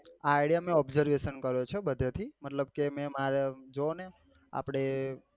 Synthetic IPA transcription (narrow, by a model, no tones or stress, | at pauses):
aaɪɽijamẽɔbzəɾʋeʃənkəɾjot͡ʃʰebəd̪ʱet̪ʰimət̪ləbkemɛ̃maɾed͡ʒone | a̰pɽ̃e